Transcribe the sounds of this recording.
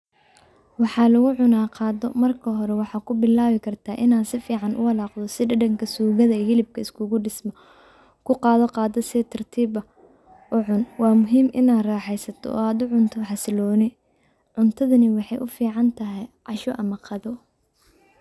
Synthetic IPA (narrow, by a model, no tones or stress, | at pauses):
wɑħɑːlɐɣʊʕʊnaːqɑːdɔ̰mɐrkʰɐɦɔɾɛwɑħɑːkʰʊbɪlaːβɪkʰɐrt̪ʰaːʔɪnaːd̪sɪfiːʕɑnʔʊ̰ɐlaːqd̪ɔsɪɖɐɖɐŋkʰɐsuːɣɐðɐɛhɪlɪb̚kʰɐɪskʰʊɣʊɖɪsmɐ | kʰʊqɑːðɔqɑːd̪ɔsɪt̪ʰɐrt̪ʰiːbɐ | ʊʕʊnwɑːmʊɦiːmʔɪ̰naːd̪raːħɛjsɐt̪ʰɔ̰ʔɔ̰ːaːd̪ʊʕʊnt̪ʰɔħɑsɪlɔːnɪ | ʕʊnt̪ʰɐðɐnɪwɑħɑjʔʊfiːʕɑnt̪ʰɐɦɛjʕɑʃɔʔɐmɐqɑðɔ